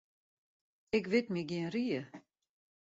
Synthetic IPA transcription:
ɛkvɪtmiɡiənriə

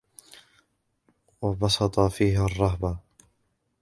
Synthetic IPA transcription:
wɑbɑsɑt̪ˤɑfiːɦarˤːɑɦba

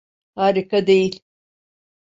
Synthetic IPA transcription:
haːɾikad̪ejilʲ

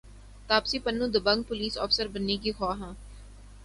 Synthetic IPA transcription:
t̪aːpsipɐnːũd̪ʊbə̃ŋɡ̚pʊliːsɔ̰ːfsəɾbɐnːekixɔːɦɛ̃ː

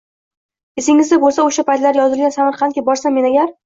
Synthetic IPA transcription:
esɪŋɪzd̪ɪbolˠsaoʃapʰajt̪laɾʲjɒzɪlɡʲansamaɾqʰɑnkʲɪbɒɾsamːe̞naɡʲaɾ

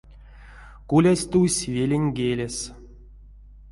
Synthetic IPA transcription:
kulʲasʲt̪usʲvʲelʲenʲɡʲelʲes

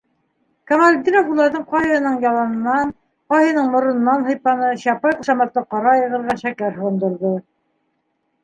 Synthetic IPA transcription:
kɐmalʲd̪iɾɑfulˠːɑɾðɤɴqɑheɤ̆nɤɴjɑlˠɑnɤ̆nːɑn | qɑhɤ̆nɤɴmŏɾŏnɤ̆nːɑnɦɤ̆jpɑnɤɕɑpɑjquʃɑmɑt̪ːɤqɑɾɑjɤ̆ʁɤ̆ɾʁɑnʃækæɾhŏɤ̆nd̪ŏɾðo

